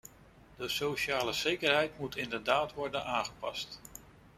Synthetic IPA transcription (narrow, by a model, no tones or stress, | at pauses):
dəsowʃaːləz̥ejkəɹɦɛjtmutɪndəɹdaːtʋɔɹdənʔaːŋχəpɑst